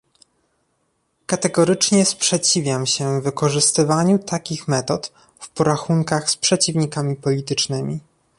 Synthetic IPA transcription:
kat̪ɛɡɔɾɘt͡ʂɲɛspʂɛt͡ɕivʲjamɕɛːɘkɔʐɘst̪ɘvaɲut̪akʲixmɛt̪ɔt̪ | fpɔɾaxuŋkaxspʂɛt͡ɕivɲikamʲipɔlʲit̪ɘt͡ʂnɘmʲḭ

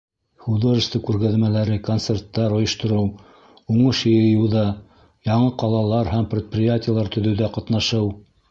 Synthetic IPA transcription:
χud̪oʒəst̪ɤkʉɾɣæðmælæɾɘkont̪sert̪ːɑɾŏjɤ̆ʃt̪ŏɾɤw | uɴɤʃjɤ̆jɤ̆jɤ̆wðɑ | jɑɴɤqɑlˠɑlˠɑɾɦæmpɾʲɪt̪̚prʲɪjatʲɪjəlˠɑɾt̪ɵ̆ðɵ̆wðæqɑt̪nɑʃɤw

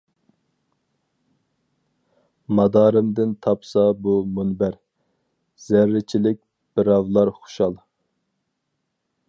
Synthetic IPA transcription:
mɑd̪ɑːɾɨmd̪ɪnt̪ʰɑpsɑbumunbæɾ | z̥æɾːɪt͡ʃʰilɪk̚ʲ | b̥ɪɾɑwlˠɑɾχʊ̥ʃɑlˠ

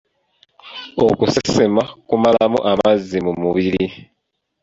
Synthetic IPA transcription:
okusesemakumalamuʔamazːimumuβiɾi

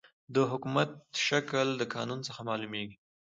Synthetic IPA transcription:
d̪əɦʊkumat̪ʃakəld̪əkɑnunt͡səxamɑlumeɡi

